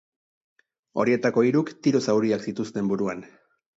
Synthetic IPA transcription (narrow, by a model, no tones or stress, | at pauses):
o̞̰ɾie̞t̪ako̞iɾukt̪iɾosawɾiaksit̪ust̪e̞mbuɾuan